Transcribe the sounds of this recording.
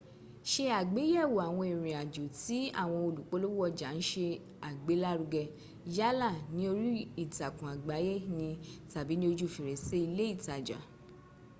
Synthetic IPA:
ʃe˧a˨ɡ͡be˨˦jɛ˦˨wo˨a˨w̃ɔ̃˧i˨ɾ̃ĩ˨a˨d͡ʒo˨ti˨˦a̰˦˨w̃ɔ̃˧o˧lu˨k͡po˨˦lo˦ɔ˦˧d͡ʒa˨n̩˦ʃe˧ | a˨ɡ͡be˨˦la˦ɾu˧ɡɛ˧ | ja˦la˦˨nĩ˦o˧ɾi˦i˦˨ta˨kũ˨a˨ɡ͡ba˨˦je˦˨˦nĩ˧ta˨bi˨˦nĩ˦o˧d͡ʒu˦˨fi˨ɾɛ˨se˨˦i˧le˦i˦˨ta˨d͡ʒa̰˨

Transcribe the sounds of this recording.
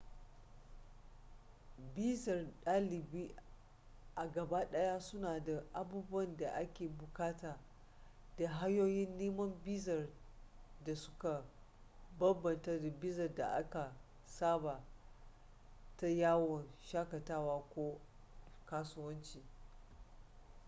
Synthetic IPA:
biː˦zɐ˨rɗaː˦lɪ˨biː˦ | ʔa˨ɡɐ˨ba˦ɗɐ˦jaː˦sʊ˦naː˨da˨ʔa˨buː˦bʊ˦wɐ˦˨nda˨ʔa˦kʲeː˨bʊ˨kaː˦taː˨ | da˨ɦa˦joː˦jɪ˦nːeː˦mɐ˦mbiː˦zɐ˨r | da˨sʊ̥˦ka˨ | bɐ˦bːɐ˨ntɐ˦da˨bɪ˦zɐ˨rda̰˨ʔa̰˦ka˨ | saː˦ba˨ | ta˦jaː˦wɔ˨nʃaː˦kɐ˨taː˦waː˦kʷoː˦ | kaː˦sʊ˦wɐ˦nt͡ʃiː˨

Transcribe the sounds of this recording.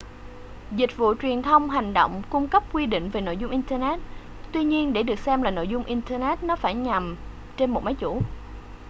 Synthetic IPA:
zï˨˩k̟̚vṵ˧˨t͡ɕwi˨˩ənt̪ʰə˧wŋ͡mɦa˨˩jŋ̟ɗo̰˧˨wŋ͡mkʊ˧ŋ͡mkə˦˥p̚kwi˧ɗḭ̈˧˨ŋ̟ve˨˩no̰˧˨jzʊ˧ŋ͡mʔi˧nt̪əː˧nɛ˦˥t̚ | t̪wi˧ɲi˧ənɗe˧˩ɗɨ˨˩ək̚sɛ˧mlaː˨˩no̰˧˨jzʊ˧ŋ͡mʔi˧nt̪əː˧nɛ˦˥t̚nɔ˨˦faː˧˩jɲa˨˩m | t͡ɕe˧nmo˨˩t̚ma˨˦jt͡ɕṵ˧˩

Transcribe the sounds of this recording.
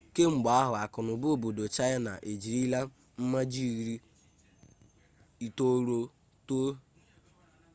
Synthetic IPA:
ke˦ŋ͡m̩˨ɡ͡ba˨˦a˦ɦʊ˨a˨kʊ˨nʊ˨bo˨bo˨do˨t͡ʃa˦ja˦na̰˨ʔe˨d͡ʒi˨ɾi˦la˦ | m̩˦ma˦d͡ʒi˦˨ɣɾi˦ | i˨to˦ɾo˦ | to˦

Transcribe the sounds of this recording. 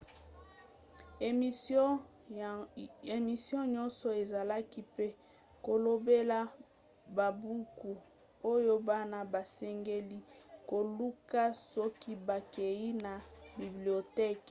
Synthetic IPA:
e˨mi˨sjɔ̃˦ɲɔ˦nsɔ˨e˨za˨la˦ki˦pe˦ | ko˨lo˨be˦la˦ | ba˨bu˦ku˨ | o˦jo˦ba˦na˦ba˨sɛ˦ŋɡe˦li˦ko˨lu˦ka˦sɔ˦ki˦ba˨ke˨ji˦na˨bi˨bli˨o˨te˦k

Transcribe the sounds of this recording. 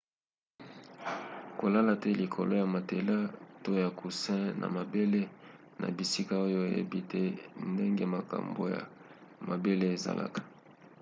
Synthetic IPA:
ko˨la˦la˨tɛ˦li˨kʰo˨lo˦ja˨ma˨te˨la˦to˦ja˨ku˨sɛ̃˦nʔa̰˨ma˨be˦le˦ | na̰˨bi˨si˦ka˦o˦jo˦e˨jḛ˦bi˦tɛ˦nde˦ŋɡe˦ma˨ka̰˨mbo̰˨ja̰˨ma˨be˦le˦e˨za̰˨la̰˨kḁ˨

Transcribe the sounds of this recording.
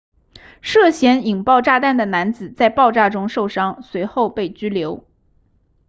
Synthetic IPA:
ʂɤ˥˩ɕjɛ˧˥ni˨˩ŋpɑ˥˧ʊʈ͡ʂa˥˧t̪a˥˩nd̪ə˩na˧˥nt͡sɹ̩˨˩t͡sa˥˧ɪpɑ˥˧ʊʈ͡ʂa˥˩ʈ͡ʂʊ˥ŋʂo˥˩ʊʂɑ˥ŋswe˧˥ɪxo˥˧ʊpe˥˩ɪt͡ɕy˥ljo˧˥ʊ

